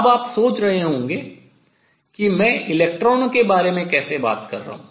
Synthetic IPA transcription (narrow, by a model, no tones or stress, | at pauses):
ɐbaːpsoːt͡ʃɾɐɦeɦõːŋɡeː | kimɛ̃ːɪleːk̚ʈɾɔːnokebaːɾemẽkɛːseba̰ːt̪kɐ̰ɾːɐ̰ɦṵ̃ː